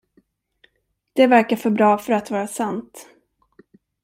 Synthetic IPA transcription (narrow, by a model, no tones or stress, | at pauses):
d̪̥ɛvæɾkafœɾbɾɑːfœɾat̪vɑːɾasant̪